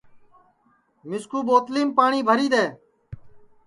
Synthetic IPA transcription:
mɪskuːboːt̪liːmpaːɳiːbʱəɾiːd̪eː

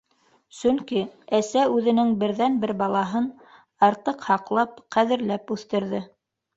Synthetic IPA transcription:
sɵ̆ŋkiæsæʉðɘ̆nɘŋbɘ̆ɾðænbɘɾbɑlˠɑɦɤn | ɑɾt̪ɤqhɑqlˠɑp̚qæðɘ̆ɾlæpʉθt̪ɘ̆ɾðɘ

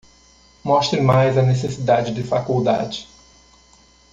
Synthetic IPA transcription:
mɔʃt̪ɾɪmajzɐnesesid̪ad͡ʒɪd͡ʒɪfakuwd̪a̰d͡ʒɪ

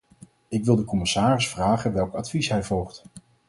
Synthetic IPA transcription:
ɪkʋɪlˠdəkɔmɪsaːrɪsfraːχənʋɛlˠkɑtfisɦɛjvɔlˠχt

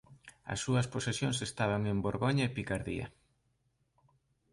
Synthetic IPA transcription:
ɐ̰sːuɐsposesjoŋsest̪aβ̞aŋemboɾɣoɲaepikaɾðḭɐ̰

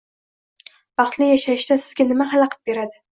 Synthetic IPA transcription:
v̥ɑχt̪lɪjaʃajɪʃd̪asɪz̥ɡʲanɪmaɦalɑqʰɑ̥t̪̚be̞ɾad̪ɪ

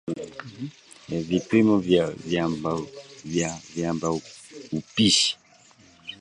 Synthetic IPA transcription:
vipimɔvavjambavjavjambaupiʃi̥

